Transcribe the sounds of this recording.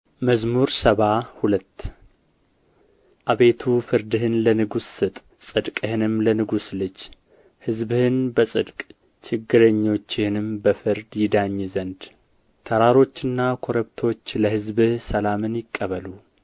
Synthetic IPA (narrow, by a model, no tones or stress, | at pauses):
məzmuɾsəβahulət̪ː | ʔaβe̞t̪ʰufɨɾd̪ɨhɨnlənɨɡusːɨt̪ʼ | sʼɨd̪kʼɨhɨnɨmlənɨɡuslɨt͡ʃː | hɨzbɨhɨnbəsʼɨd̪kʼ | t͡ʃʰɪɡːɨɾəɲːo̞t͡ʃːɪhɨnɨmbəfɨɾd̪jɪd̪aɲːzənd̪ | t̪ʰəɾaɾo̞t͡ʃːɨnːakʰoɾəβt̪ʰo̞t͡ʃːləhɨzbɨhsəlamɨnjɪkʼːəβəlu